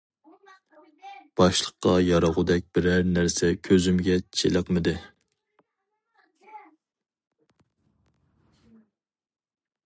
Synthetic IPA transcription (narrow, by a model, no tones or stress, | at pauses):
b̥ɑʃlˠəqːɑjɑɾəʁʊd̪ɛk̚ʲbɪɾæɾnæɾsɛkʲʰøzymɡʲɛt͡ʃʰeləqmɪd̪ɪ